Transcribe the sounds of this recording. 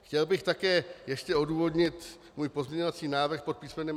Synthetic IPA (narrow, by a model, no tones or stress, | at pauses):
xcɛlbɪxt̪akɛːjɛʃcɛo̞duːvo̞dɲɪt̪ | muːjpo̞zmɲɛɲovat͡siːnaːvr̩xpo̞t̪̚piːsmɛnɛːm